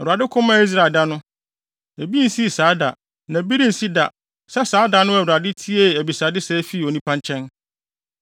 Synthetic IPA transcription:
ɛ˨a˨dɪ˦kʰʊ̃˦mã˦i˦s̬ɾa˨lda˦nʊ̃˦ | æ˨bi˦n̩˨si˦˨saː˨˦da̰˨ | nã˨bi˦ɾĩ˦n̩˨si˦da̰˨ | sɛ˦saː˨˦da˨˦nʊ̃˦ɛ˨a˨dɪ˦tʰi˦e˦˨æ˨bi˨sa˨dɪ˦sɛː˦fi˦˨o˨nĩ˦pʰã˦ɲ˦t͡ɕʰɛ̃˦n

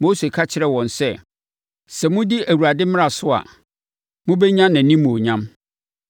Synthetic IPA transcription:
moː˦se˨kʰa˦t͡ɕʰɪ˨˦ɾɛ˨wɔ̃˨nsɛ˦ | sɛ˨mʊ̃˦di˦ʔæ˨wu˨ɾa˨dɪ˦m˦a˨sʊ˦a̰˨ | mʊ̃˦bɛ˦ɲã˦nã˨nĩ˦mːũ˨o˨ɲã˦m

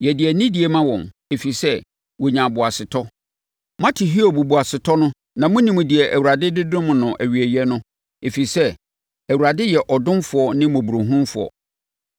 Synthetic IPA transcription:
jɛ˨dɪ˨ɛ˨nĩ˦di˨e˨mã˦wɔ̃˨n | e˨fi˨i˨sɛ˦ | wɔ˨ɲã˨bʊ˨a˨sɪ˨tʰɔ˦ | mã˦tʰɪ˨ɦi˦o˦˨bu˨bu˨a˨sɪ˨tʰɔ˦nʊ̃˦ | nã˨mʊ̃˦nĩ˨mʊ̃˨dɪ˨ɛ˨ʔæ˨wu˨ɾa˨dɪ˦dɪ˦dʊ̃˦mʊ̃˨nʊ̃˨ʔæ˨ɥi˨æ˨jɛ˦nʊ̃˦ | e˨fi˨sɛ˦ | æ˨wu˨ɾa˨dɪ˦jɛ˨ʔɔ˨dʊ̃˦mfʊ˨ɔ˦nɪ̃˦mõ˨bu˨ɾo˨ɦũ˦mfʊ˨ɔ̰˨

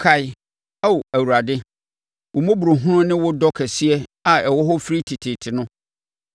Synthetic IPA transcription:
kʰa˨ɪ˦ | a˦wo˨æ˨wu˨ɾa˨dɪ˦ | wʊ˨mõ˦bu˨ɾo˨ɦʊ̃˦ɾʊ̃˦nɪ̃˦wʊ˦dɔ˦kʰɛ˨si˦ɛ˦a˨ɛ˨wɔ˦ɦɔ˦fi˦ɾi˦tʰi˨tʰɪ˨tʰɪ˨nʊ̃˦

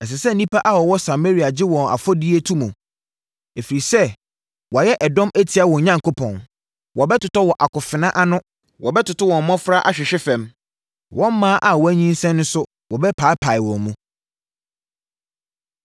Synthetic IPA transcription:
ɛ˨s̬ɛ˨sɛ˦n̩nĩ˦pa˦ʔa˦wɔ˨wɔ˦sa˨me˦ɾi˨a˨d͡ʑɪ˦wɔ̃˨na̰˨fɔ˦di˦e˦tʰũ˦mũ˨ | e˨fi˨ɾi˨sɛ˦ | wɔ˨jɛ˦ʔɛ˨dɔ̃˦mʔæ˦tʰi˨a˦˨wɔ̃˨ɲã˦ŋ˨kʰo˦pʰɔ̃˨n | wɔ˨bɛ˦tʊ˨tɔ˦wɔ˨ʔa˨kʊ˨fɪ˨nã˦ʔa˦nʊ̃˦ | wɔ̰˨bɛ˦tʊ˨tʊ˦wɔ̃˨m˦mɔ̃˦fɾa˦ʔa̰˨ɕᶣɪ˨ɕᶣɪ˦fɛ̃˨m | wɔ̃˦m˦mːãː˦ʔa˨wɔ˨æ˦ɲĩ˦n˦sɛ̃˦nːʊ̃˦sʊ˦ | wɔ˨bɛ˦pʰaː˨˦pʰa˨ɪ˨wɔ̃˨nmũ˦

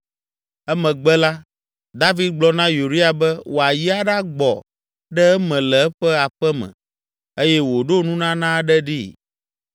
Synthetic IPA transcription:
ɛ˦mɛ̃˨ɡ͡bɛ˦la˦ | d̪a˦vi˦d̪̚ɡ͡blɔ˦nã˦ju˨ɾi˦a˨bɛ˦wʔo˨a˨ji˦a˦ɖa˦ɡ͡bɔ˨ | ɖɛ˦ɛ˦mɛ̃˨lɛ˨ɛ˦ɸɛ˦a˨ɸɛ˦mɛ̰̃˨ | e˦jɛ˦wo˨ɖo˦nũ˦nã˦nã˦ɖɛ˦ɖi˦

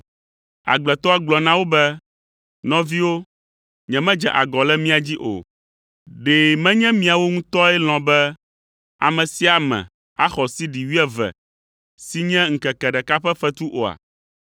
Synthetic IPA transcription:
a̰˨ɡ͡blɛ˨t̪ɔ˦a˦ɡ͡blɔ˨nã˦wo˦bɛ˦ | nɔ̃˦vi˦wo˦ | ɲɛ̃˨mɛ̃˦d͡ʒɛ̰˨ʔa̰˨ɡɔ˨lɛ˦mĩ˦a˨d͡ʑi˦ʔo̰˨ | ɖɛ˨mɛ̃˦ɲɛ̃˦mĩ˦a˨wo˦ŋũ˦t̪ɔ˦ɛ˦l̃ɔ̃˨bɛ˦ | a̰˨mɛ̃˨si˦a˨mɛ̰̃˨ | a˦xɔ˨si˦ɖi˨wi˦ɛ˦vɛ̰˨ | si˦ɲɛ̃˦ŋ̩˨kɛ˨kɛ˨ɖɛ˨ka˦ɸɛ˦ɸɛ˦t̪u˦ʔo˨a̰˨

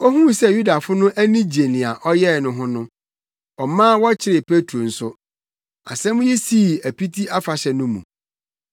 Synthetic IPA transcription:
o˦ɦũ˦sɛ˦ju˦da˨fʊ˦nʊ̃˦ʔæ˦nĩ˦d͡ʑe˨nɪ̃˨a˨ʔɔ˦jɛ˦˨nʊ̃˨ɦʊ̃˦nʊ̃˦ | ɔ˨mã˦wɔ˦t͡ɕʰɪ˦ɾɪ˨pʰe˦tʰo˨n̩˨sʊ˦ | a̰˨sɛ̃˦mʊ̃˦ji˦si˦˨æ˨pi˦tʰi˦ʔa˦fa˨ɕɛ˨nʊ̃˦mṵ̃˨

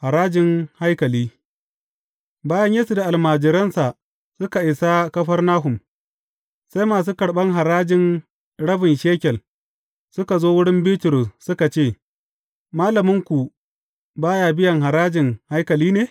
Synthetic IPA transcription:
ha˨ɾaː˦d͡ʒɪ˨ŋha˦jkɐ˨liː˦ | baː˦jɐ˦ɲjɐ˦su˨da˨ʔa˨lmaː˨d͡ʒɪ˨ɾɐ˦nsa˨ | sʊ˦ka˨ʔɪ˨sa˦kɐ˦ɸɐ˦rnaː˦ɦʊ˨m | sa˦jmaː˨s̬uː˦kɐ˨ɽɓɐ˦ŋɦa˨ɾaː˦d͡ʒɪ˨n | ɽɐ˦bɪ˨nʃeː˦kʲɛ˨l | sʊ˦ka˨zoː˦wʊ˦ɽɪ˦mbɪː˦tʊ˨ɾʊ˨ssʊ˦ka˨t͡ʃeː˦˨ | maː˦lɐ˨mɪ˦ŋkʷu˨ | baː˦jaː˨bɪ˦jɐ˨ŋɦa˨ɾaː˦d͡ʒɪ˨ŋha˦jkɐ˨liː˦neː˨

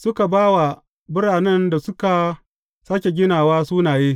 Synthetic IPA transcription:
sʊ˦ka˨baː˦wa˨ | bʊ˦ɽaː˨nɛ˦nda˨sʊ˦ka˨ | saː˦kʲe˨ɡʲɪ˦naː˨waː˦suː˦naː˨jeː˦

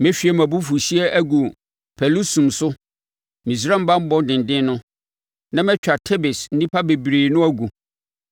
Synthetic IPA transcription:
mɛ̃˦ɕᶣi˦ɛ˨mæ̃˨bu˦fu˨ɕi˦ɛ˦ʔæ˦ɡu˨ | pʰɛ˨lu˦sũ˨msʊ˦ | mĩ˨s̬ɾã˦m̩˦ba˦m̩˦bɔ̃˦n˦dɪ̃˨n˨dɪ̃˦nʊ̃˦ | nã˦mɛ̃˦t͡ɕᶣa˨tʰɛ˦bɪ˨sn̩˦nĩ˦pʰa˦be˨bɾiː˨nʊ̃˦æ˦ɡu˨

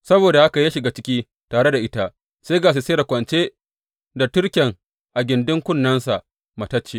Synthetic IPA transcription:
sɐ˦boː˨da˨ʔa˦ka˨ja˦ʃɪ˨ɡaː˦t͡ʃɪ˦kʲiː˦ | taː˨ɽe˦da˨ʔɪ˦ta˦ | se˦ɡaː˨s̬i˨seː˦da˨kʷɐ˨nt͡ʃeː˦ | da˨tʊ˦ɽkʲɛ˨ŋ | ʔa˨ɡʲɪ˨ndɪ˦ŋkʷʊ˦nːɐ˦nsa˨ʔ | mɐ˨tɐ˦t͡ʃːeː˦

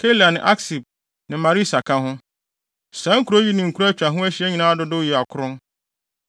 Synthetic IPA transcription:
kʰe˦la˨nɪ̃˨ʔa˦ksi˨b̚ | nɪ̃˨mã˨ɾi˦˨sa˨kʰã˦ɦʊ̃˦ | sã˨˦ŋ̩˦kʰu˨ɾo˦ji˦nɪ̃˨ŋ̩˨kʰu˦ɾa˦t͡ɕᶣa˨ɦʊ̃˦æ˦ɕi˦ɛ˦ɲĩ˨nãː˦a˦dʊ˦dʊ˦jɛ˨a˨kʰʊ˦ɾʊ̃˦n

